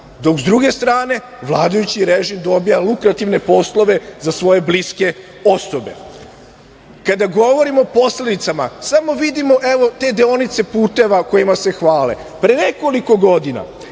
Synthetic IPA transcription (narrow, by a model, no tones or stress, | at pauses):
d̪o̞kzd̪ɾuɡe̞st̪ɾaːne̞ | ʋlˠaːd̪ajut͡ɕiɾeʒimd̪o̞bijalˠukɾat̪iʋne̞po̞slˠo̞ʋe̞zasʋo̞je̞bliske̞ | o̞so̞be̞̰ | kad̪aɡo̞ʋo̞ɾimo̞po̞sle̞d̪it̪sama̰samo̞ʋid̪imo̞ʔe̞ʋo̞t̪e̞d̪eo̞nit̪se̞puːt̪e̞ʋako̞jimase̞xʋaːle̞̰ | pɾene̞ko̞liko̞ɡo̞d̪ina̰